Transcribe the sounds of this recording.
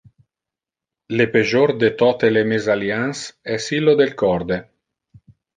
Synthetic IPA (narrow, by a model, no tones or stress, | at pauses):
lepeʒord̪et̪ɔt̪elemezaljansɛsilod̪elkɔrd̪e